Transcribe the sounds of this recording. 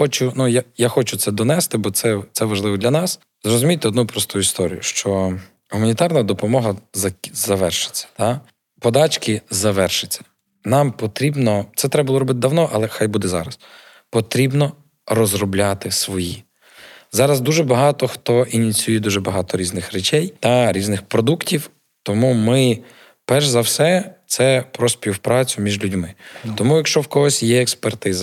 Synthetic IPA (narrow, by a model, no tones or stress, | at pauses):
xɔt͡ʃʊnujajaxɔt͡ʃʊt̪sɛd̪ɔnɛst̪ɪbɔt̪sɛt̪sɛʋɐʒlˠɪʋɔd̪lʲɐnɑs | zrɔzʊmʲijt̪ɛɔd̪nupɾɔst̪ujʊist̪ɔɾʲḭjʊʃt͡ʃɔ | ɦʊmɐnʲit̪ɑrnɐd̪ɔpɔmɔɦɐzɐzɐʋɛrʃɪ̥t͡sʲːɐ̥t̪ɑ | pɔd̪ɑt͡ʃkɪzɐʋɛrʃɪt͡sʲːɐ̥ | nɑmpɔt̪ɾʲibnɔt̪sɛt̪ɾɛbɐbulˠɔɾɔbɪt̪ɪd̪ɐwnɔʔɐlˠɛxɑjbud̪ɛzɑ̰ɾɐs | pɔt̪ɾʲibnɔ | rɔzrɔblʲat̪ɪsʋɔji | zɑɾɐzd̪uʒɛbɐɦɑt̪ɔxt̪ɔʔinʲit͡sʲujɛd̪uʒɛbɐɦɑt̪ɔɾʲiznɪxɾet͡ʃɛjt̪ɐɾʲiznɪxpɾɔd̪uktʲiw | t̪ɔmumɪ | pɛrʒzɐwsɛt̪sɛpɾɔsʲpʲiwpɾɑt͡sʲʊmʲiʒlʲudʲmɪt̪ɔmujɐkʃt͡ʃɔwkɔɦɔsʲjɛɛkspert̪ɪzɐ